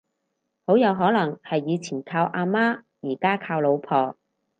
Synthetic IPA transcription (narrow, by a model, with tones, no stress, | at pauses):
ho˨˥wjɐ˨˧wɦɔː˨˥lɐ˨˩ŋhɐ˨jːiː˨˧t͡sʰiː˨˩nkʰaː˧wʔaː˧maː˥ | jiː˨˩kaː˥kʰaː˧wlo˨˧wpʰɔː˨˧